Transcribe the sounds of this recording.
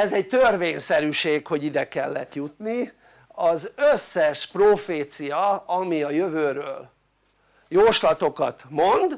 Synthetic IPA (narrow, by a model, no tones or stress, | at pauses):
ɛzɛɟt̪ørveːɲsɛɾyʃeːkho̞ɟid̪ɛkɛlːɛ̰t̪jut̪ni | ɒzøsːɛʃproːfeːt̪sijɒɒmiɒjøvøːɾøːl | joːʃlɒt̪o̞kɒt̪mo̞nd̪